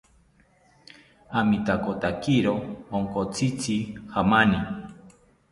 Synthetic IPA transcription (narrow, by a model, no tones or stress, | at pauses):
amit̪akot̪akiɾoːŋkot͡sit͡sihamani